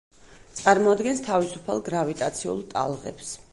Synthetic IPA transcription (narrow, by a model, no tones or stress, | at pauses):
t̪sʼaɾmɔad̪ɡɛnst̪ʰavisu̥pʰalˠɡɾavit̪ʼat̪sʰiṵlˠt̪ʼa̰lˠʁɛ̰ps